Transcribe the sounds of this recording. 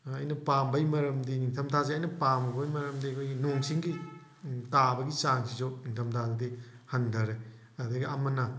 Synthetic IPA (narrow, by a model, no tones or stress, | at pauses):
ɐjnɐpambɐjmɐɾɐmdiniŋtʰɐmtʰazeɐjnɐpamɐbojmɐɾɐmdikʰojɡinoŋsiŋɡi | tabɐɡisaŋsizoniŋtʰɐmtʰazedihɐndɐɾe | ɐdɐɡiɐmɐnɐ